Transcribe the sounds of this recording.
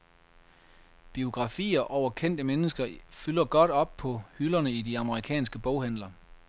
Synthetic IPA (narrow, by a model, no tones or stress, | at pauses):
b̥io̝ɡ̥ʁɑ̈fḭːɒʔɒʊ̰ɐkʰen̰d̥əmenəsɡ̥ɐfylɐɡ̥ɒ̽ɾ̥ɒ̽b̥̚pʰɒ̽hylɐnəidiɑ̈məʁikʰɛ̰ːnsɡ̥əb̥ɒʊhæn̰lɐ